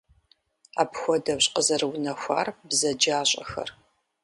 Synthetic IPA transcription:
aːpxʷɔdɐwɕqəzɐrɨwnɐxʷa̰ːrbzɐd͡ʒaːɕʼɐ̰xɐ̰r

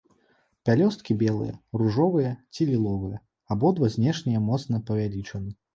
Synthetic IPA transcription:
pʲalʲɔst̪̚kʲibʲɛlˠɨ̰jɐ̰ruʐɔvɨjɐt͡sʲilʲilˠɔvɨjɐ | abɔd̪vɐzʲnʲɛʂnʲijɐmɔt̪sn̪ɐpɐvʲalʲit͡ʂɐnɨ

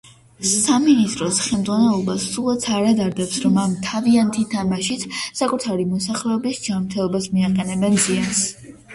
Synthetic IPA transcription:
saminist̪ʼɾɔsχɛlˠmd̪zʁwanɛlˠɔbasulˠat̪sʰaɾad̪aɾd̪ɛpsɾɔmamt̪ʰaviant̪ʰit̪ʰamaʃit̪ʰsakʼut̪ʰaɾimɔsaχlɛɔbisd͡ʒanɾt̪ʰɛlˠɔbasmiaqʼɛnɛbɛnzians

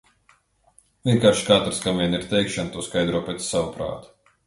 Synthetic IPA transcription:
vʲiɛkaːɾʃkat̪ɾskamvʲiɛniɾt̪ɛjkʃant̪uɔskajd̪ɾuɔpɛt̪sːawupɾa̰ːt̪

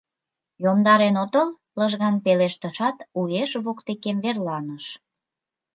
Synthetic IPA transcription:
jomd̪ɑɾenot̪əl | ləʒɣɑnpeleʃt̪əʃɑt̪ueʃβokt̪ekemβerlɑnəʃ

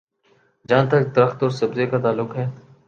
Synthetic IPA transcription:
d͡ʒãːnt̪əkd̪əɾəxt̪ɔːɾsəbzeːkaːt̪aːlːʊkɦɛː

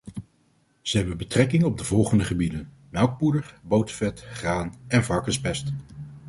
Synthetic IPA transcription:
z̥əɦɛbənbətrɛkɪŋɔb̚dəvɔlˠχəndəχəbidən | mɛlˠk̚pudəɹbowtəfɛtχraːnɛnvɑɹkəspɛst

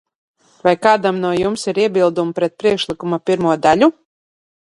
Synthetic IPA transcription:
vajkaːd̪amnuɔjumsiɾiɛbilˠd̪umpɾɛt̪̚pɾiɛkʃlˠikumapʲiɾmuɔd̪alʲu

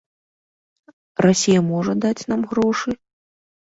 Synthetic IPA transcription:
rasʲijɐmɔʐɐd̪at͡sʲn̪amɣɾɔʂɨ

